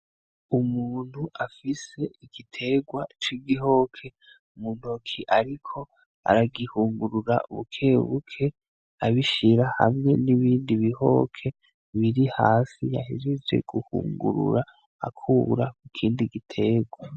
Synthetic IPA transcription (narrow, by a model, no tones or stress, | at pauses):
umuːn̥huʔafise̞iɡ̥itʰe̞ːɡwat͡ʃiɡiɦo̞kʰe̞ | umuːn̥okʰiʔaɾikʰo̞ | a̰ɾaɡihuːŋɡuɾuɾa̰ʔṵβukʰe̞ːβukʰe̞ | aβiʃiɾaha̰mŋe̞niβiːndiβiho̞̰kʰe̞ | βiɾihaːsija̰hiɾize̞̰ɡ̥uhṵːŋɡṵɾṵɾa̰ː | kʰuːɾakukʰiːndiɡitʰe̞ːɡwa